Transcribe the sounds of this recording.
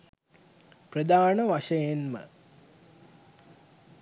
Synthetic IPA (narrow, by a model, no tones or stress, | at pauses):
prəd̪aːnəʋaʂɐjenmə̰